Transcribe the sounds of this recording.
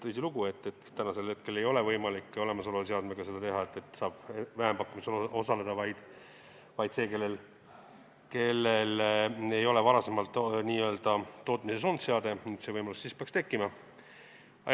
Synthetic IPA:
t̪ɤjsiluɡ̥ue̞t̪ːet̪ːænɑse̞lhe̞t̪̚ke̞le̞jo̞levɤjmɑlikːˑo̞le̞mɑso̞lus̬eɑd̪̥meɡ̥ɑse̞d̪̥ɑt̪e̞ɦɑe̞t̪ːˑe̞t̪sɑːb̥evæɦempɑkːˑumislo̞sɑle̞d̪̥ɑvɑjd̪̥ | vɑjd̪̥se̞ːke̞lːe̞l | ke̞lːele̞jo̞le̞vɑɾɑse̞mɑlt̪ːˑniːø̞ld̪̥ɑtːo̞ːt̪ˑmises̬ont̪seɑd̪e̞net̪se̞vɤjmɑlusːispeɑkst̪e̞kːˑimɑ | ɑ

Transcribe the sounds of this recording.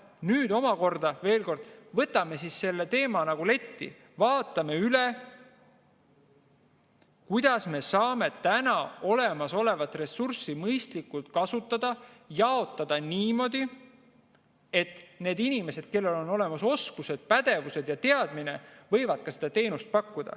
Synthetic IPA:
nyːd̪o̞mɑko̞rd̪̥ɑve̞ːlko̞rd̪̥vɤt̪ːˑɑme̞sisːe̞lːe̞t̪e̞ːmɑnɑɡ̥ule̞t̪ʲːḭ | vɑːt̪ːˑɑme̞yle | kujd̪̥ɑsme̞sɑːme̞t̪ænɑo̞le̞mɑso̞le̞vɑt̪ːre̞sːursimɤjst̪likːˑult̪̚kɑsut̪ːˑɑd̪̥ɑjɑo̞t̪ːˑɑd̪̥ɑniːmo̞d̪̥ʲi | e̞t̪ne̞ːd̪inʲime̞se̞d̪̥ke̞lːe̞lo̞no̞le̞mɑso̞skuse̞d̪̥̚pæd̪̥e̞vuse̞d̪̥jɑt̪e̞ɑd̪̥mine̞vɤ̞jvɑd̪̥kɑse̞d̪ɑt̪e̞ːnust̪̚pɑkːud̪̥ɑ̰

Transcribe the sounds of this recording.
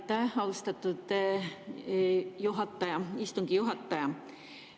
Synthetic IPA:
t̪ːɑɑust̪ɑt̪ːˑud̪̥ | juɦɑt̪ːˑɑjɑist̪uŋɡ̥ijuɦɑt̪ːˑɑjɑ

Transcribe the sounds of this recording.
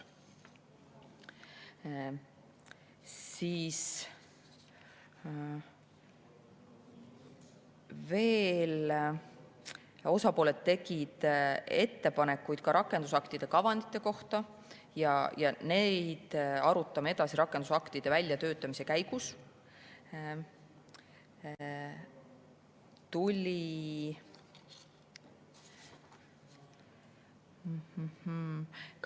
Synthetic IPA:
siːs | ve̞ːl | o̞sɑpo̞ːle̞t̪ːe̞ɡ̥id̪̥e̞t̪ːe̞pɑne̞kːˑujd̪̥kɑɾʔɑkːˑend̪usɑkt̪id̪̥e̞kɑvɑnd̪̥it̪ːˑe̞ko̞ht̪ɑ | jɑjɑnejd̪̥ɑɾut̪ːˑɑmee̞d̪̥ɑsiɾɑkːˑed̪usɑkt̪id̪̥e̞vælʲjɑt̪øːt̪ˑːɑmise̞kæjɡ̥us | t̪ulʲi | h̩h

